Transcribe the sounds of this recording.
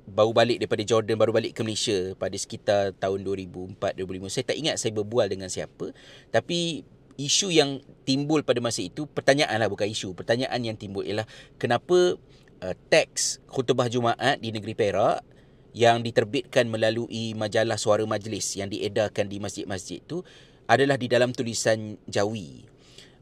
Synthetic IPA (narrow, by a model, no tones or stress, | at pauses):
baubalɪk̚daɾipadad͡ʒɔrdanbaɾubalɪʔkəməlesiapadasə̥kit̪art̪aʊnduəɾibuəmpat̪̚duɾibuliməsajat̪aʔiŋat̪̚sajabərbualdəŋãnsia̰pət̪api | isujaŋt̪imbʊlpadamasəit̪upərt̪aɲaʔanlahbukanisupərt̪aɲaʔanjaŋt̪imbʊlʔḭalahkənãpə | ʔət̪ɛk̚shut̪ubahd͡ʒumaʔat̪̚dinəɡəɾipeɾaʔ | jaŋdit̪ərbɪt̪̚kanmə̃laluʔimãd͡ʒalahsuaɾamãd͡ʒlɪsjaŋdiʔedakandimasd͡ʒɪt̪̚masd͡ʒɪ̰t̪̚t̪ːu | ʔadalahdidalamt̪ulisand͡ʒawḭ